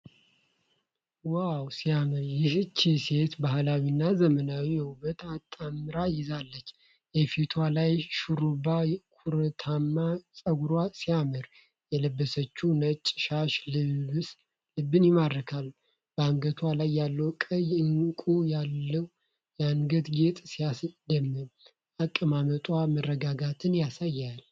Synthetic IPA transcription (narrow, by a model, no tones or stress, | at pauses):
wawsijamɨɾjɪhɨt͡ʃːise̞t̪baɦlawinːazəmənawijɛhubət̪at̪ʼːamɨɾajɪzalːət͡ʃː | jɛfit̪ʰwalajʃuɾubakʰuɾət̪ʰamːasʼəɡuɾwasijamɨɾ | jɛləbːəsət͡ʃːunət͡ʃʼːʃaʃlɨs | lɨbːɨnjɪmad̪ɾəkʰal | b̥əaŋɡət̪ʰwalajːalːəwkʼəjɨŋkʼujalːəw | jaŋɡəd̪ɡet̪ʼsijasd̪əmːɨn | akʼːəmamət̪ʼwamərːəɡaɡat̪ʰɨnjasajːal